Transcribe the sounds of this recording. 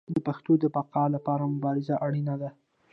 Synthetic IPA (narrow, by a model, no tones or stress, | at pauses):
d̪əpaxt̪od̪əbaqɑlapɑɾamʊbɑɾɪzaʔaɽinad̪a